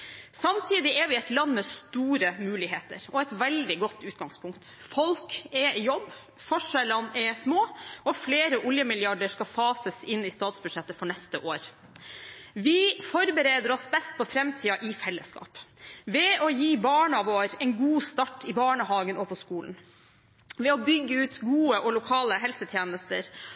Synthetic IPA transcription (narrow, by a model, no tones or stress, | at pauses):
sɑmt̪ʰiːd̪ɪʔɛɾʋɪɛɪt̪lɑnːmɛst̪uːɾəmʉːlɪɦeːt̪ə̰ɾʔɔɛt̪ʋɛld̪ɪɡɔt̪ːʉːt̪ɡɑŋspʰʊŋkt̪fɔlkɛjɔbː | fɔʂælənɛsmoːɔfleːɾəʔʊljəmɪljɑɖəʂkɑfɑːsəsɪnːɪst̪ɑːt̪sbʉd̪ʂɛt̪ːəfɔɳɛst̪əʔoːɾ | ʋɪfɔɾbəɾeːd̪əɾɔsbɛst̪̚pʰɔfɾɛmt̪ʰiːɑʔɪfɛlːəskɑ̰ːpʋɛɔjiːbɑːɳɑʋoːɾɛɪnɡuːst̪ɑʈːɪbɑːɳəhɑːɡənɔpʰɔskuːln̩ | ʋɛɔbʏɡːəʉːt̪ɡuːəʔɔlʊkʰɑːləɦɛlsət̪ʰjeːnəst̪ə̰ɾ